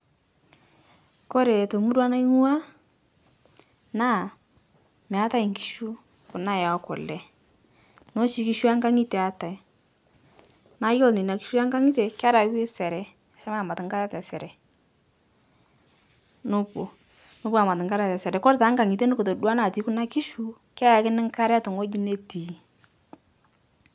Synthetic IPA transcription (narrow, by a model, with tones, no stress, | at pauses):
ko˦ɾe˨to˨mu˦dwa˦na˦i˦ŋu˦a˦ | na˦˨ | mɛ˨a˦ta˦i˨ŋki˦ʃu˦ | kʊ˨na˦˨ja˨˦kʊ˨lɛ˨ | no˦ʃi˨˦ki˦ʃu˦a˦ŋɡa˦ŋi˦te˨a˨ta˨i˨ | na˦jo˦˨lni˨na˨ki̥˦ʃu˦a˦ŋɡa˦ŋi˦te˨ka˦ɾa˨˦wi˦sɛ˨ɾɛ˨ | a˨˦ʃa˦ma˦a˨ma˨tɪ˨ŋ˦ka˦ɾa˦tɛ˨sɛ˨ɾɛ˨ | nʊ˦bu˨ | nʊ˦bu˦a˨ma˨tɪ˨ŋka˦ɾa˦tɛ˨sɛ˨ɾɛ˨kɔ˦ɾta˨˦ŋɡa˨ŋi˨te˦nʊ˦ko˨to˨da˦na˨ti˨˦kʊ˦na˦ki˦ʃu˦ | ka˦ja˨kɪ˦nɪ˦ŋ˦ka˦ɾɛ˦a˦tʊ˨ŋo˦ɟi˦ne˦ti˨